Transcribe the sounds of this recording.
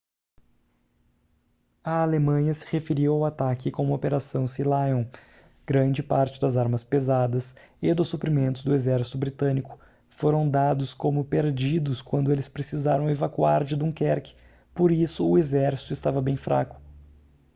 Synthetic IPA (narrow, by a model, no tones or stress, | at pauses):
ɐalemɐ̃ɲɐsɪ̥hefeɾiwawat̪akɪkõmopeɾasɐ̃w̃silajõ | ɡ̥ɾɐ̃d͡ʒɪpaɾt͡ʃɪd̪ɐzaɾmɐspezad̪ɐsɪd̪ʊsupɾimẽnt̪ʊzd̪ʊezɛɾsi̥t̪ʊbɾit̪ɐ̃nikʊ̥ | foɾɐ̃w̃d̪ad̪ʊskõmʊpeɾd͡ʒid̪ʊskwɐ̃nd̪ʊelɪspɾesizaɾɐ̃w̃evakuaɾd͡ʒɪd̪ũkɛɾkɪ̥ | poɾisʊːezɛɾsi̥t̪ʊɪst̪avɐbẽj̃fɾʔa̰kʊ̥